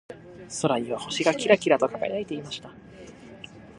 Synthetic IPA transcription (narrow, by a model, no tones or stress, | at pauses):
so̞ɾaɲ̟iβaho̞ɕiɡakʲiɾakʲiɾat̪o̞kaɡa̰jait̪e̞imaɕi̥t̪a